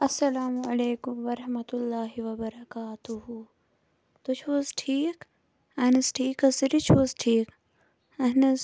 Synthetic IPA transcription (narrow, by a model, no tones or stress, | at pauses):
ɐsːɐlaːmɐleːkʊmʋɐɾɐhmɐt̪ʊlːaːɦiʋɐbɐɾɐkaːt̪uɦu | t̪ot͡ʃʰozʈʰiːk | ɐnɐsʈʰiːkɐsiɾit͡ʃʰozʈʰiːk | ɐɦnɐz